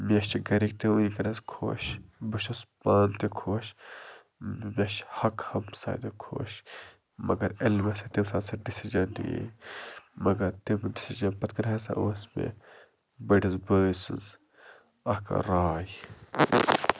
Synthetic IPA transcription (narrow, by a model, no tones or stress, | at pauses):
mʲɐʃt͡ʃiɡɐɾik̚t̪eunikɐɾɐskʰo̰ːʃbɨʃɐspaːnt̪ekʰoːʃ | mɐʃhɐkhɐmsa̰ːd̪ekʰo̰ːʃ | mɐɡɐɾelmɐsɐt̪imsaːsɐɖisiʒɐnːjḛ | mɐɡɐɾt̪imɖisiʒɐnpɐt̪kɐɾɐɦɐsa̰ʔoːsmḛ | bɐɖizbəːsɨ̰nz | ɐhkɐ̰ɾaːj